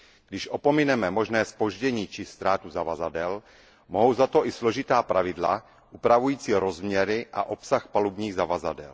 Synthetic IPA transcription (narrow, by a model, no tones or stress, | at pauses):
ɡdɪʃʔopomɪnɛmɛmo̞ʒnɛːspo̞ʒɟɛɲiːt͡ʃɪst̪ɾaːt̪uzavazadɛl | moɦowzat̪o̞ʔɪsloʒɪt̪aːpɾavɪdla̰ | ʔupɾavujiːt͡siːɾozmɲɛɾɪʔa̰ʔopsaxpalubɲiːɣzavaza̰dɛ̰l